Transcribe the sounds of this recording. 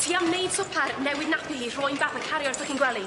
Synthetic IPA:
tʰiːamnejd̥sʊpʰarnɛwɪdnapʰihiːr̥ɔjnbaθənkʰaɾjɔrtʰɔkɪnɡwɛlˠi

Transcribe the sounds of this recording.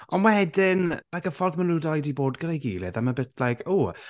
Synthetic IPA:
ɔnmahɛdɪnlajkəfɔrðməludajdiboːdɡəɾejɡiːlˠɪ̰ðaməbɪtʰlajkʰuː

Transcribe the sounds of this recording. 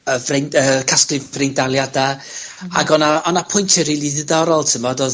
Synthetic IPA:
əvrenəkʰasklɨvrejndalˠjadaa̰ɡɔnaɔnapʰʊjntʰəriːlˠiðɪðɔɾɔlˠtʰəmɔdoː

